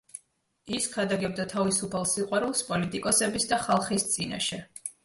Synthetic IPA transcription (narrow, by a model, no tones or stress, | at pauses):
iskʰad̪aɡɛb̚d̪at̪ʰavisupʰalˠsiqʼwaɾulˠspʼɔlit̪ʼikʼɔsɛbisd̪aχalˠχist̪sʼina̰ʃɛ